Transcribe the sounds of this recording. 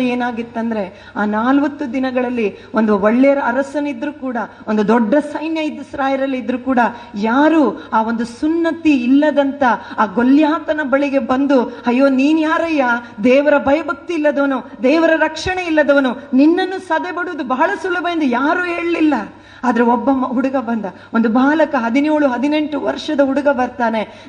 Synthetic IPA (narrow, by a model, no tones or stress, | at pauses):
eːnaːɡit̪ːɐnd̪ɐɾe̞ | aːnaːlʋɐt̪ːud̪inɐɡɐɭɐlːiond̪uʋoɭːɛjɐɾɐɐɾɐsɐnid̪ɾuːkuːɽɐ | o̞nd̪ud̪ɔɖːɐsɐjnjɐid̪ːɐsɐɾaːjiɾɐlːiid̪ɾuːkuːɽɐjaːɾuːaːʋo̞nd̪usunːɐt̪iːlːɐd̪ɐnt̪ɐaːɡoljaːt̪ɐnɐbɐɭiɡe̞bɐnd̪uhɐjːoːniːnjaːɾɐjɐd̪ɛːʋɐɾɐbɐjɐbʱɐk̚t̪iːlːɐd̪ɐʋɐnud̪ɛːʋɐɾɐɾɐkʂɐɳe̞ilːɐd̪ɐʋɐnuninːɐnːusɐd̪ebɐɽuʋud̪ubɐɦɐɭɐsulːɐbɐjɐnd̪ujaːɾuːɦe̞ːɭlilːɐ | aːd̪ɐɾeɔbːɐmɐuɽuɡɐbɐnd̪ɐ | o̞nd̪ubaːlɐkɐɦɐd̪ineːɭuɦɐd̪ine̞ɳʈuʋɐ̰ɾʂɐd̪ɐuɽuɡɐbɐɾt̪aːne̞